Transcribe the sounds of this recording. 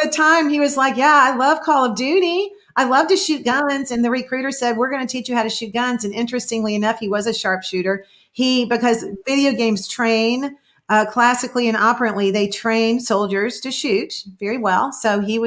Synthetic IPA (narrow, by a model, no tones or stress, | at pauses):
ɨtʰãɪ̃miwʌzlaɪkjæaɪlʌv̥kʰɔlˠʌvdʉɾi | ʔaɪlʌv̥tɨʃʉt̚ɡ̥ʌ̃nzɨ̃nðɨɹɨkʰɹ̥ʉɾə˞sɛd̚wɪɹɡʌnɨtʰit͡ʃɨhaʊɾɨʃʉt̚ɡ̥ʌ̃nzɨ̃nɪ̃nt͡ʃɹ̥ɨstɪ̃ŋliɨnʌfhiwʌzɨʃɑɹpʃʉɾə˞ | ibɨkʌzvɪɾioʊɡẽɪ̃mz̥tʰɹ̥ẽɪ̃n | ʌkʰl̥æsɨkliɨ̃nɑpə˞ɨ̃nʔliðeɪtʰɹ̥ẽɪ̃nd̥soʊlˠd͡ʒə˞z̥tʰɨʃʉt̚vɛɹiwɛlˠsoʊiwʌ